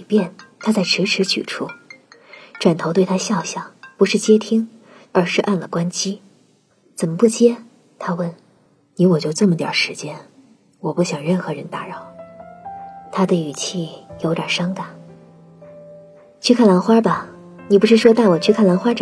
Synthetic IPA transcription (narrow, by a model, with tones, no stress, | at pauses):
pjɛ˥˩nt̪ʰa˥t͡sa˥˩ɪʈ͡ʂʰɻ̩˧˥ʈ͡ʂʰɻ̩˧˥t͡ɕʰy̰˨˩ʈ͡ʂʰu˥˩ | ʈ͡ʂwa˨˩nt̪ʰo˧˥t̪wɪt̪ʰa˥ɕjɑ˥˩ʊɕjɑ˨˩ŋpu˧˥ʂɻ̩˥˩t͡ɕjɛ˥t̪ʰi˥ŋ | ə˞˧˥ʂɻ̩˥˧ʔa˥˩nlə˩kwa˥nt͡ɕi˥ | t͡sə˨˩nmə˦pu˥˩t͡ɕjɛ˥ | t̪ʰa˥wə˥˩n | ni˧˥wɔ˨˩t͡ɕjo˥˧ʊə˥˩mə˩t̪jɑ̰˨˩ʂɻ̩˧˥t͡ɕjɛ˥n | wɔ˨˩pu˥˩ɕjɑ˨˩ŋɻə˥˩nxɤ˧˥ɻə˧˥nt̪a˧˥ɻɑ˥˩ʊ | t̪ʰa˥d̪ə˨y˨˩t͡ɕʰi˥˩jo˧˥ʊt̪jɐ˨˩ʂɑ˥ŋt̪a˨˩˦ | t͡ɕʰy˥˧kʰa˥˩nla˧˥nxwa˥bɐ˨ | ni˨˩p̬u˧˥ʂɻ̩˥˩ʂwɔ˥t̪a˥˩ɪwɔ˨˩t͡ɕʰy˥˧kʰa˥˩nlnxwa˥ʈ͡ʂ